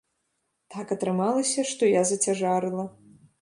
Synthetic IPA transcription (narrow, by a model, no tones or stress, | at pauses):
t̪akɐt̪ɾɨmalˠɐsʲɐʂt̪ɔjazɐt͡sʲaʐaɾɨlˠɐ